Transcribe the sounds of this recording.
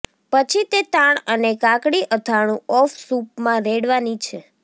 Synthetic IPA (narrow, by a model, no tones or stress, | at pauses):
pət͡ʃʰit̪et̪ãɳənekãkɽiʔət̪ʰaɽ̃ũɔfsupmãɾeɽʋanit͡ʃʰe